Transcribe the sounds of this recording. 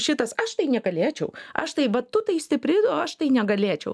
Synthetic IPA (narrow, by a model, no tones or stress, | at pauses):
ʃʲɪt̪ɐsɐʃt̪ɐɪnʲɛɡɐlʲeːt͡ʃʲɛʊɐ̰ʃt̪ɐɪʋɐt̪ʊt̪ɐɪsʲt̪ʲɪpʲɾʲɪd̪oɐʃt̪ɐɪnʲɛɡɐlʲeːt͡ʃʲɛʊ